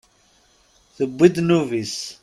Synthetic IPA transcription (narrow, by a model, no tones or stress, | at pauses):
θəbːid̪nuvis